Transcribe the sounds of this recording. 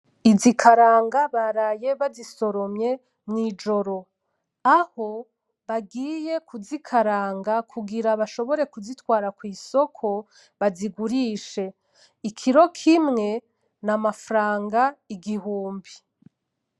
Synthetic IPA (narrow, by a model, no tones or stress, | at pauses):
izikʰaɾaːŋɡaβaɾaje̞βaziso̞ɾo̞mɲe̞ | mŋiːd͡ʒo̞ɾo̞ | aho̞ | βaɡiːje̞kuzikʰaɾaːŋɡakʰuɡiɾaβaʃo̞βo̞ɾe̞kuzitwaːɾakwiːso̞kʰo̞ | βaziɡuɾiːʃe̞ | ikʰiɾo̞kʰimŋe̞ | namafɾaːŋɡaiɡihuːmbi